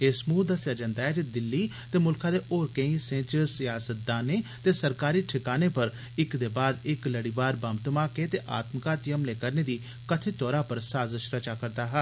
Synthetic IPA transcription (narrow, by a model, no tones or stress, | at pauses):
ɪsmũːd̪əsjaːd͡ʒãːnd̪aːɦɛːd͡ʒed̪ɪlːiː | t̪eːmʊlkʰãːd̪eːʔoːɾkẽːĩːsẽːt͡ʃsɪjaːsət̪̚d̪aːneːt̪eːsəɾkaːɾiːʈʰɪkaːneːpəɾ | ɪkd̪eːbaːd̪ɪkləɽiːʋaːɾbəmt̪əmaːkeːt̪eːʔaːt̪mkaːt̪ɪjəmleːkəɾneːd̪iː | kət̪ʰeːt̪ɔːɾaːpəɾsaːzəʃɾət͡ʃaːkəɾd̪aːɦɛː